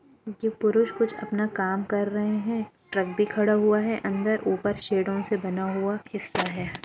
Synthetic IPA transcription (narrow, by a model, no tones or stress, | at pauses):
jepʊɾʊʃkʊt͡ʃʰɐ̰pnakaːmkɐɾːɐɦeɦɛ̃ | ʈɾɐk̚bʱikʰɐɽaɦuaɦɛʔɐ̃nd̪əɾʔoːpəɾʃeːɖõsebɐnaɦuahɪsːaɦɛː